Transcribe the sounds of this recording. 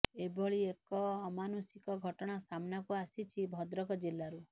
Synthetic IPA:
ebʱɔɭiekɔːmanusikɔɡʱɔʈɔɽ̃asamnakuasit͡ʃʰibʱɔd̪ɾɔkɔd͡ʒelːaɾu

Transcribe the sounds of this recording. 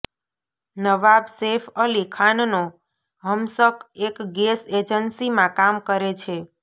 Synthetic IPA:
nəʋabsefəlikʰanno | ɦəmsəkekɡesed͡ʒənsimãkamkəɾet͡ʃʰe

